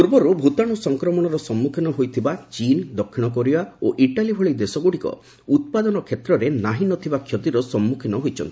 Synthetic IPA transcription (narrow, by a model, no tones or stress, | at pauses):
puɾbɔɾubʱut̪aɽ̃usɔŋkɾɔmɔɽ̃ɔɾɔsɔmːukʰinɔɦojt̪ʰibat͡ʃind̪ɔkʰːiɽ̃ɔkoɾiaoʔiʈalibʱɔɭid̪esɔɡuɽikɔ̰ | ut̪̚pad̪ɔnɔkʰet̪ɾɔɾenaɦinɔt̪ʰibakʰjɔt̪iɾɔsɔmːukʰinɔɦojt͡ʃʰɔ̰nt̪i̥